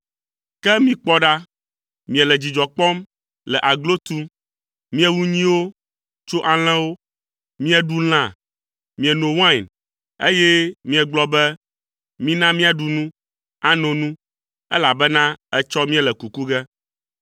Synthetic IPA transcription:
kɛ˦mĩ˦k͡pɔ˦ɖa˦ | mĩ˨ɛ˨lɛ˨d͡ʑi˨d͡ʒɔ˨k͡pɔ˦m | lɛ˨ʔa˨ɡlo˦t̪u˦ | mĩ˦ɛ˦wu˦ɲĩ˦wo˦ | t͡ʃo˦ʔa˨l̃ɛ̃˦wo˦ | mĩ˦ɛ˦ɖu˦l̃ã˦˨ | mĩ˨ɛ˨nõ˨wã˦˨n | e˦jɛ˦mĩ˦ɛ˨ɡ͡blɔ˦bɛ˦ | mĩ˦nã˦mĩ˦a˨ɖu˨nũ˦ | a˦nõ˨nũ˦ | ɛ˦la˨bɛ˦nã˦ɛ˦t͡ʃɔ˦mĩ˦ɛ˨lɛ˨ku˨ku˦ɡɛ˦

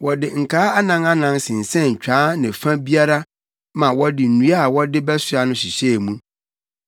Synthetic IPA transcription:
wɔ˨dɪ˨ŋ̩˨kʰaː˦a˦nã˨˦ŋa˦nã˨nsɪ̃˨n̩˨sɛ̃˦˨ɲ̩˨t͡ɕᶣaː˨˦nɪ̃˨fã˦bi˦a˦ɾa˦ | mã˨wɔ˦dɪ˨n̩˨nũ˦a˦a˨wɔ˦dɪ˦bɛ˦sʊ˦a˨nʊ̃˦ɕi˨ɕɛ˦˨mũ˦

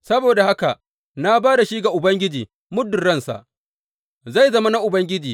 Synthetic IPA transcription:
sɐ˦boː˨da˨ha˦ka˨ʔ | na˦baː˦da˨ʃi˦ɡa˨ʔʊ˨bɐ˦ŋɡʲɪ˦d͡ʒiː˨ | mʊ˦dʊ˨ɽɐ˦nsa̰˨ʔ | za˦˨jzɐ˦ma˦na˦ʔʊ˨bɐ˦ŋɡʲɪ˦d͡ʒiː˨

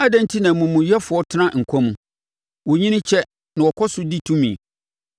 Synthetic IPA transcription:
a˦dã˦n˦tʰi˦nã˨mũ˨mũ˨jɛ˦fʊ˨ɔ˦tʰɪ˦nã˦˨ŋ̩˨kʷʰɔ̃˦mũ˨ | wo˨ɲĩ˦nɪ̃˦t͡ɕʰɛ˦ | nã˨wɔ˨kʰɔ˦sʊ˦di˦tʰũ˦mĩ˨

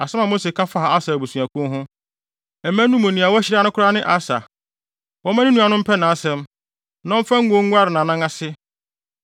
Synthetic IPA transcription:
a˨sɛ˦mã˨mo˦se˨kʰã˦fa˦˨a˨a˦sa˨bu˨sũ˨a˨kʰʊ̃˦nɦʊ̃˦ | ɛ˨mæ̃˦nũ˦m˦õ˨nĩ˨a˨wɔ˦æ˦ɕɪ˦ɾa˦nʊ̃˦kʰʊ˦ɾa˦nɪ̃˦ʔa˨sa̰˨ | wɔ˦mã˦nɪ̃˦nũ˦a˨nʊ̃˦m̩˦pʰɛ˦nã˨˦sɛ̃˦m | nã˦fã˦ŋ̩˦ɡo˦ŋ̩˦ɡʷa˦ɾɪ˨nã˨nã˦ŋa˦sɪ˦

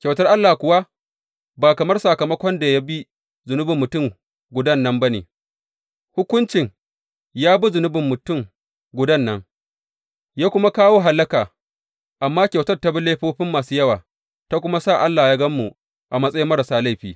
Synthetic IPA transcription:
kʲa˨wtɐ˦rʔa˦lːaː˨kʷʊ˨wa˦ | baː˨kɐ˨mɐ˦rsa˨kɐ˨mɐ˦kʷɔ˦nda˨ja˦bi˦ | zʊ˨nʊ˦bɪ˨mːʊ˨tʊ˦˨ŋ | ɡʷʊ˨dɐ˦nːɐ˦mbɐ˦nḛ˨ | hʊ˦kʷʊ˦nt͡ʃɪ˨ŋ | jaː˦bu˦zʊ˨nʊ˦bɪ˨mːʊ˨tʊ˦˨ŋ | ɡʷʊ˨dɐ˦˨nːɐ˦ŋ | jaː˦kʷʊ˦ma˦kaː˦woː˦ɦa˨lːɐ˦kaː˨ | ʔa˨mːaː˦kʲa˨wtɐ˦rta˦bi˦leː˦ɸoː˦ɸɪ˦mːaː˨suː˦jɐ˦waː˨ | ta˦kʷʊ˦ma˦sa˦˨ʔa˦lːaː˨jaː˦ɡɐ˦mːu˨ | ʔa˨mɐ˦sʼɐ˦ji˦mɐ˦ɾɐ˨saː˦la˦˨ɸiː˨

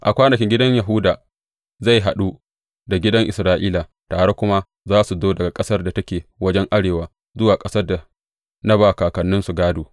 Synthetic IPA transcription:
ʔa˨kʷaː˦nɐ˨kʲɪ˦ŋɡʲɪ˦dɐ˦ɲja˨ɦʊ˦daː˨ | za˦˨jɦa˨ɗu˦ | da˨ɡʲɪ˦dɐ˦ŋʔɪ̰˨sɾaː˦ʔiː˦la˨ | taː˨ɽe˦kʷʊ˦ma˦ | zaː˦su˨doː˦dɐ˨ɡa˨kʼɐ˦sɐ˦rda˨tɐ˦kʲeː˨wɐ˦d͡ʒɛ˦ŋʔa˦ɽeː˨waː˨ | zʊ˦waː˨kʼɐ˦sɐ˦rda˨ | na˦baː˨kaː˨kɐ˨nːʊ˦nsu˨ɡaː˦doː˨

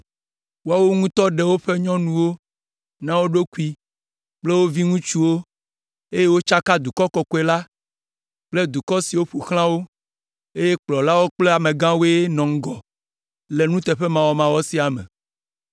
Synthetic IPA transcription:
wo˦a˦wo˦ŋũ˦t̪ɔ˦ɖe˨wo˦ɸe˦ɲɔ̃˦nũ˦wo˦ | nã˦wo˦ɖo˦ku˦i˦ | k͡ple˦wo˦vi˦ŋũ˦t͡ʃu˦wo˦ | e˦je˦wo˦t͡ʃa˦ka˦d̪u˨kɔ˦kɔ˨kɔ˦e˨la˦ | k͡ple˦d̪u˨kɔ˦si˨wo˦ɸu˨xl̃ã˦wo˦ | e˦je˦k͡plɔ˨la˦wo˦k͡ple˦a˨mẽ˨ɡã˦wo˦e˦nɔ̃˨ŋ̩˦ɡɔ˨ | le˨nũ˦t̪e˨ɸe˦mã˨wɔ˦mã˨wɔ˦si˦a˨mɛ̰˨

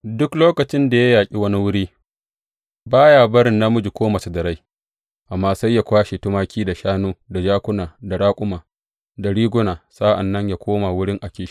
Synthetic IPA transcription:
dʊ˦kloː˦kɐ˨t͡ʃɪ˦nda˨ja˦jaː˨kʲʼi˦wɐ˦ni˦wʊ˦ɽiː˦ | baː˦ja˨bɐ˦ɾɪ˨nːa˦mʊ˦d͡ʒi˨kʷoː˦ma˨su˨dɐ˨ɾa˦j | ʔa˨mːaː˦sa˦jːa˨kʷaː˦ʃi˨tʊ˦maː˦kʲiː˦da˨ʃaː˦noː˦da˨d͡ʒaː˦kʷʊ˦naː˨da˨ɽaː˦kʷʼʊ˦maː˨ | da˨ɽiː˦ɡʷʊ˦naː˨sa˦ʔa̰˨nːɐ˦ɲja˨kʷʰoː˦ma˨wʊ˦ɽɪ˦ŋʔa˨kʲeː˨ʃi˦

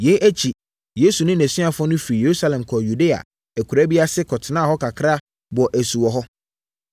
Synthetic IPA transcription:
jɛ˨˦ʔæ˦t͡ɕʰi˨ | je˦su˨nɪ̃˦næ̃˨sĩ˦a˨fʊ˦ɔ̃˦nʊ̃˦fi˨i˨je˨ɾu˦sa˦lɛ̃˨mkʰɔ˨ju˨de˦a̰˨ | æ˨kʰu˨ɾæ˦bi˦a˦sɪ˦kʰɔ˨tʰɪ˨nãː˦˨ɦɔ˦kʰa˨kʰɾa˦ | bʊ˨ɔ˨ʔæ˨su˨wɔ˨ɦɔ˦

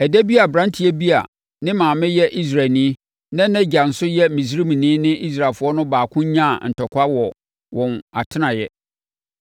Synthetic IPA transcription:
ɛ˨dæ˦bi˦a˨bɾã˦ntʰi˨˦æ˦bi˦a̰˨ | nɪ̃˦mãː˨mɪ̃˦jɛ˦ʔi˦s̬ɾa˨lnĩ˦ | nã˦nɛ̃˦d͡ʑa˨n̩˨sʊ˦jɛ˦mĩ˨s̬ɾi˦mĩ˨nĩ˦nɪ̃˦ʔi˦s̬ɾa˨lfʊ˨˦ɔ˦nʊ̃˦baː˨kʰʊ̃˦ɲã˦˨n̩˨tʰɔ˨kʷʰa˦wɔ˨ | wɔ̃˨na˨tʰɪ˦nã˨jɛ˦

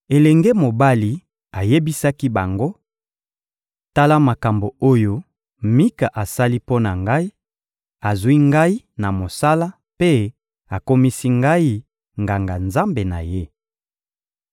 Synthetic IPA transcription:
e˨lɛ˨ŋɡe˦mo˨ba˦li˨ | a˨je˦bi˦sa˦ki˦ba˨ŋɡo˦ | ta˦la˦ma˨ka˨mbo˨o˦jo˦ | mi˦ka˨ʔa˨sa˦li˦po˦na˨ŋɡa˦i˦ | a˨zwi˦ŋɡa˦i˦ | na˨mo˨sa˦la˦ | pe˦ | a˨ko˦mi˦si˦ŋɡa˦i˦ | ŋɡa˨ŋɡa˨nza˦mbe˨na˨je˦

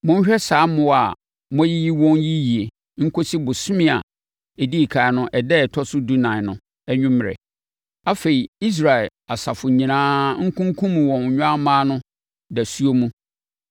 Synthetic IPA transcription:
mʊ̃˦n̩˦ɕᶣɛ˦saː˨˦mʊ̃˦wa˨ | mʊ̃˦ji˦ji˦wɔ̃˦nji˦ji˨e˨ | ŋ̩˦kʰo˦si˦bʊ˨sʊ̃˦mɪ̃˦˨a̰˨ | e˨di˦i˨kʰa˨nʊ̃˦ʔɛ˨dɛ˦˨tʰɔ˦sʊ˦du˦nã˨nʊ̃˨ | ɛ˦ɲᶣʊ̃˦m˨ɾɛ̰˨ | a˦fe˨i˨i˦s̬ɾa˨ɛ˨a˨sa˨fʊ˨ɲĩ˨nãː˦ŋ̩˦kʰũ˦ŋ˦kʰũ˦mũ˨wɔ̃˨n˨ɲᶣʊ̃˦a˦mãː˦nʊ̃˦ | dæ˨su˦o˦mũ˦

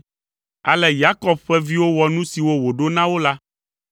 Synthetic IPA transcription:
a̰˨lɛ˨ja˦kɔ˦b̚ɸɛ˦vi˦wo˦wɔ˨nũ˦si˨wo˦wo˨ɖo˦nã˦wo˦la˦

